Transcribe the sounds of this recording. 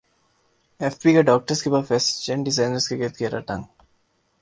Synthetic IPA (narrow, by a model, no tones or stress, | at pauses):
ɛfpikeɖɔːk̚ʈəɾskepafest͡ʃẽɳɖɪzãːɪnəɾskeɡet̪ɡeɾa̰ʈɐ̰̃ŋ